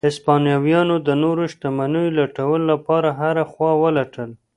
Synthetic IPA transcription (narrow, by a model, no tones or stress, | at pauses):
ɪspɑnijɑwjɑnod̪ənoɾoʃt̪amanəjolaʈawəlolapɑɾaɦaɾaxwɑwəlaʈʰəl